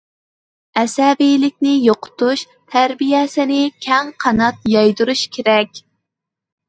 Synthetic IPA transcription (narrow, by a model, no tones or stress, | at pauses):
ɛsɛvijlɪk̚ʲnɪjoqʰʊ̥t̪uʃ | t̪ʰæɾbijɛsɪnɪkʲʰɛŋqʰɑnɑt̪̚jɑjd̪uɾuʃkʲʰeɾɛkʲ